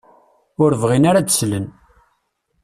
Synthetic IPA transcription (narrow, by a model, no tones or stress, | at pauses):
ʊɾvʁinaɾat͡sslən